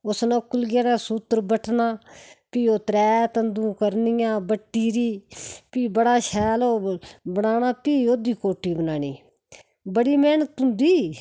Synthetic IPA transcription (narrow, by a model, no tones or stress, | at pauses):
ʊsnãːkːʊlɡaːnãːsuːt̪ːəɾbəʈʰnãːpiːoːt̪ɾɛːt̪ənd̪ũːkəɾnɪjãːbəʈːiːɾiːpiːbəɽaːʃʰɛːloːbənaːnãːpiːoːd̪iːkoːʈːiːbənaːniː | bəɽiːmɛːnt̪ʊnd̪iː